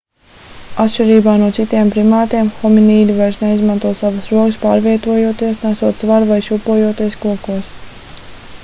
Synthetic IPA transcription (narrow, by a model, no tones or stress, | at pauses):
at̪ʃt͡ʃiɾiːbaːnuɔt̪sit̪iɛmpɾimaːt̪iɛmxɔminiːd̪ivajɾsneizmãnt̪uɔsaʋəsɾuɔkɨspaːɾviɛt̪uɔjuɔt̪iɛsnæsuɔt̪zvaɾvajʃupuɔjuɔt̪iɛskuɔkuɔs